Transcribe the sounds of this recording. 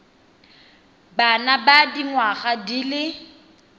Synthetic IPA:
banabadiŋwaχadilɪ

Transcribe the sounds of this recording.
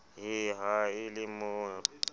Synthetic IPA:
ɦɪɦaɪlɪmʊ

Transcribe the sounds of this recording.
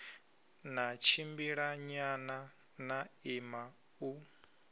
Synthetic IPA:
nat͡ʃʰimbiɺaɲana | naima | u

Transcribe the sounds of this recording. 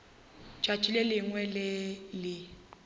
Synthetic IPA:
t͡ʃʼat͡ʃʼilɛlɪŋwɛlɪlɪ

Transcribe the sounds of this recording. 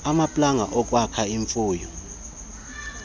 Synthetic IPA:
amapʼlaŋaʔɔk̬ʼwakʰaiɱfuːjɔ

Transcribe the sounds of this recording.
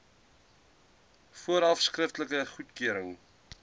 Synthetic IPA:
fuəɾɑfskrəftləkəχutkøəɾəŋ

